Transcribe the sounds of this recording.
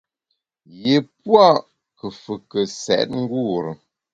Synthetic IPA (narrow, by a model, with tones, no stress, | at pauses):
je˨p̚wa˦˨ | kə˨fə˨kə˨sɛ̰˨˦t̚ŋ̩˦ɡu˦˨ɾə˨